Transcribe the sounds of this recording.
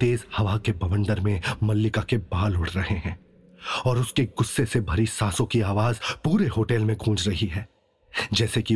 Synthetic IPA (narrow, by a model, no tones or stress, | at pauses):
t̪eːzhɐʋakebʱɐʋə̃nɖ̪əɾmẽmɐlːɪkakebaːlʊɽ̤ʰɾɐɦeɦɛ̃ː | ɔːɾʊskeɡʊsːesebʱɐɾisaːsõkiaːʋaːzpuːɾeɦoːʈɛːlmẽɡʱũːd͡ʒɾɐɦiɦɛː | d͡ʒɛːseki